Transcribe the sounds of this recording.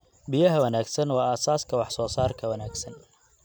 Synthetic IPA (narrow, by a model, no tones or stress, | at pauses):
bɪjɐɦɐwɐnaːɡsɐnwɑːɐsaːskʰɐwɑħsɔːsaːrkʰɐwɐnaːɡsɐn